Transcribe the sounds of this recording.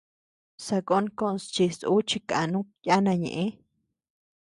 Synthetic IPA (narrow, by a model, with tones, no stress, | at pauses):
sa˧ko˦nko˦nst͡ʃi˧su˦t͡ʃi˧ka˨nũ˦ja˦nã˧ɲḛ̃˨ʔẽ˦